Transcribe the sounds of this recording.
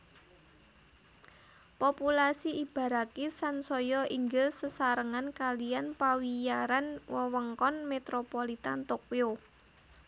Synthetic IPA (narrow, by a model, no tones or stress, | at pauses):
populasiib̥a̤ɾakesansɔjɔiŋɡɪlsəsaɾəŋankalijanpawijaɾanwəwəŋkɔnmet̪ɾopolit̪a̰nt̪okjo